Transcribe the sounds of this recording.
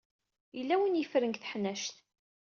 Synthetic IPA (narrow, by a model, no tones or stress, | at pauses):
jəlːæwənjəfɾənɡθə̥ħnæʃt̪